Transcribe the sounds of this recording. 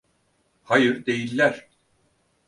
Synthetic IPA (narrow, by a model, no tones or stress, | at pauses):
hajɯɾd̪e̞jilʲːæɾ̥